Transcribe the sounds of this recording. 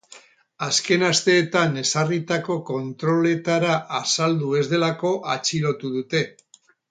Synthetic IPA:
aske̞nast̪e̞ːt̪ane̞sarit̪ako̞ko̞nt̪ɾo̞le̞t̪aɾaʔːsald̪ue̞zðe̞lako̞ʔat͡ʃilo̞t̪uðut̪e̞

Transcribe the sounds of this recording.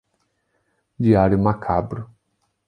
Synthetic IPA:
d͡ʒiaɾjʊmakʰabɾʊ

